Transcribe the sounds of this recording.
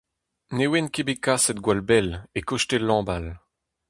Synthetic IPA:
newɛnkebekasɛt̪̚ɡwalbɛlekɔʃtelɑ̃ːbal

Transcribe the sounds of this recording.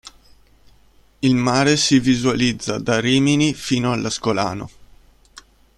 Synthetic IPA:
ilmaːɾesivizualid̪zːad̪ariːminifiːnoalːaskola̰ːno̰

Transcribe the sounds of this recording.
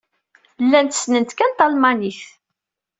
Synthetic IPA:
lːænt̪əsnənt̪kænt̪ɑlmɑniθ

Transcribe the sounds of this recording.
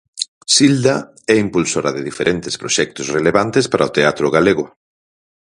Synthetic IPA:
sild̪a | ɛimpulsoɾaðɪðifeɾʔɛnt̪ɪ̥spɾoʃɛk̚t̪ʊsreleβant̪espaɾʔaot̪eat̪ɾʊɣ̞aleɣʊ

